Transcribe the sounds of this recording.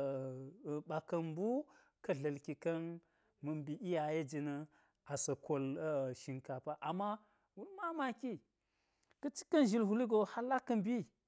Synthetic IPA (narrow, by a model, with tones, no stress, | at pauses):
ɓa˨kɐ˨mbu˦ | kɐ˨ɮɐ˨lki˨kɐ˦n | mɐ˨mbi˨ʔi˦ja˨je˦d͡ʒi˨nɐ˦ | a˨sɐ˨ko˨lʃi˨ŋka˨pa˦ʔa˨mːa˦ | wu˦lma˦ma˦˨ki˦ | kɐ˦t͡ʃi̥˦kɐ˦n˨ʒi˨lɦu˨li˦ɡo˨ha˦la˦kɐ˦nbi˦